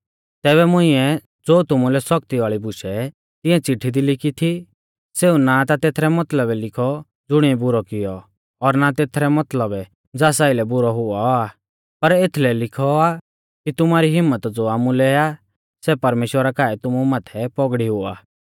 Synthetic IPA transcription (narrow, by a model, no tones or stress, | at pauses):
t̪ɛːβɛmʊ̃ɪ̃ɛ | d͡zoːt̪ʊmulɛsɔk̚t̪iʋaːɭibʊʃɛ | t̪ɪ̃ɛ̃t͡sɪʈʰid̪ilɪkit̪ʰi | seːunat̪at̪eːt̪ʰɾɛmɐt̪ləbɛlɪkʰɔ | d͡zʊɽ̃ibʊɾɔkɪjɔ | ɔɾnat̪eːt̪ʰɾɛmɐt̪ləbɛ | d͡zaːsaːɪlɛbʊɾɔɦʊɔa | pɐɾet̪ʰlɛlɪkʰɔa | kit̪ʊmaːɾiɦɪmːət̪d͡zoːaːmulɛa | sɛpɐɾmeːʃwəɾakaːɛt̪ʊmumaːt̪ʰɛpɔɡɽiɦʊa̰ː